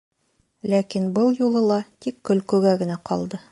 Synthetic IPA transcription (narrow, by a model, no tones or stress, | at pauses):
lækinbɤlˠjulˠɤ̆lˠɑt̪ikːɵ̆lkʉɡæɡɘ̆næqʰɒlˠd̪ɤ